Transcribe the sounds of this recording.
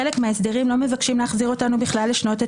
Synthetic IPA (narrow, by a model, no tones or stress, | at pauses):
elekmeaesd̪eʁimlo̞mevakʃimlːχziʁo̞tanubiχlalːeʃno̞te